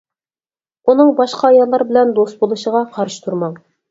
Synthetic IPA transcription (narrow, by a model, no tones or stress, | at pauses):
unəŋbɑʃqɑːjɑlˠɑɾbɪ̆lɛnd̪ost̪̚bolˠuʃəʁɑqʰɑɾʃə̥t̪ʰuɾmɑɴ